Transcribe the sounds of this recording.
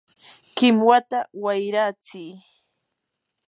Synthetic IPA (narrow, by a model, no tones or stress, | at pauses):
kɪmwat̪awajɾat͡siː